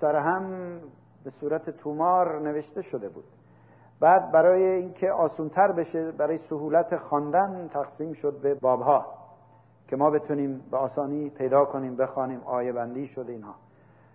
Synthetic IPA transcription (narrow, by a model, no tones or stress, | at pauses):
sæɾɦæm | besuːɾæt̪ʰet̪ʰumɒːɾne̞ve̞ʃt̪e̞ʃod̪e̞bṵːd̪̥ | bæːd̪̚bæɾɒːjeinkʰe̞ʔɒːsuːnt̪ʰæɾbe̞ʃebæɾɒːjesohuːlæt̪ʰexɒːnd̪ænt̪ʰæɣsiːmʃod̪̚be̞bɒːbhɒː | kʰe̞mɒːbe̞t̪ʰuniːmbeɒːsɒːniːpʰe̞jd̪ɒːkʰo̞niːmbe̞xɒːniːmɒːjebænd̪iːʃod̪eiːnhɒː